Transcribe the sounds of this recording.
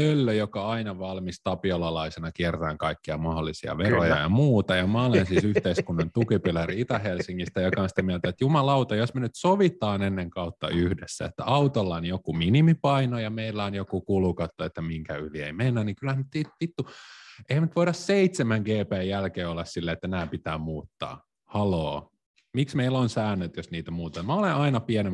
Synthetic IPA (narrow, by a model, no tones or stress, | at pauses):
ølːøjokɑɑinɑʋɑlmist̪ɑpiolɑlɑisenɑkiɛrt̪æːŋkɑikːiɑ̰mɑholːisiɑ̰ʋerojɑ̰jɑ̰muːt̪ɑjɑmɑolensiːsyht̪eiskunːɑnt̪ukipilæriit̪ɑhelsiŋːist̪æjokɑonsi̥t̪æmiælt̪æet̪jumɑlɑut̪ɑjosmenyt̪soʋit̪ɑːnenːeŋkɑut̪ːɑ̰yhdesːæ̰ḛt̪ːæ̰ʔɑut̪olːɑonjokuminimipɑinojɑmeilːæonjokukulukɑt̪ːoet̪ːæmiŋkæyliḛimenːænniŋkylhæhænnyt̪t̪itt̪it̪ːuʔehæmnt̪ʋoiɾɑsseit̪semæŋɡeːpæːjjælkeːolːɑssilːæːet̪ːænæːpit̪æːmuːt̪ːɑ̰ː | hɑloː | miksmeilonsæːnːøt̪josniːt̪æmuːt̪ɑmæoleʔɑinɑpiɛnem